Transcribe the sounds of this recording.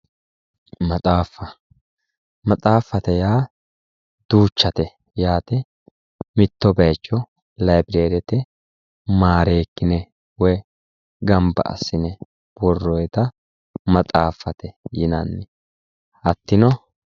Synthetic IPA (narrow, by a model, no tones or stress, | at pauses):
mɐtʼaːfːɐ | mɐt͡sʼaːfːɐt̪ɛjaː | d̪̥uːt͡ʃːɐt̪ɛ | jaːt̪ɛ | mɪt̪ːɔbɛjt͡ʃːɔ | lɐjbɪɾeːd̪ɛt̪ɛ | maːɾeːkːɪnɛ | wɔj | ɡɐmbɐ̰ʔɐ̰sːɪnɛ | b̥ɔrːɔjt̪ɐ | mɐt̪ʼaːfːɐt̪ɛjɪnɐnːɛ | ɐt̪ːɪnɔ